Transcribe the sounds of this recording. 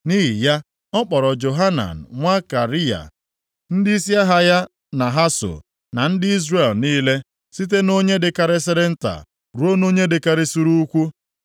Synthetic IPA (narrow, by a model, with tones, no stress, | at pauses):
ni˦ɦi˨ja˦ | ɔ˦k͡pɔ˨ɾɔ˨d͡ʒo˨ɦa˦na̰˨n̩˨ŋʷa˦ka˨ɾi˦a̰˨ | n̩˦di˦si˦a˦ɦa˦ja˦ | na˨ɦa˦so̰˨ | na˨n̩˦dɪ˦i˦zre˦˨lniː˦le˦ | si˦t̬e˦no˦ɲe˦dɪ˨ka˦ɾɪ˦sɪ˦ɾɪ˦n̩˦ta̰˨ | ɾu˦o˦no˦ɲe˦dɪ˨ka˦ɾɪ˦su˦ɾu˦u˦kʷu˦